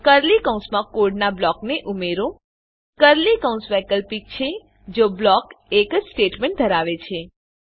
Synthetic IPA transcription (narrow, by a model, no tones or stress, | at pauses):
kəɾlikəw̃smãkoɖnablɔkneʔumeɾõ | kəɾlikəw̃sʋɛkəlpik̚t͡ʃʰe | d͡ʒoblɔkekd͡ʒsʈeʈmẽɳʈ̚d̪ʱəɾaʋet͡ʃʰe